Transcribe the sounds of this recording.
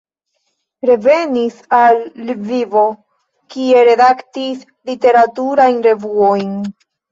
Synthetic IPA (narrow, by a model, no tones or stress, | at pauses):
ɾe̞ve̞nisalːvivo̞ | kie̞ɾe̞daktis | lite̞ɾatuɾajnɾe̞vuojn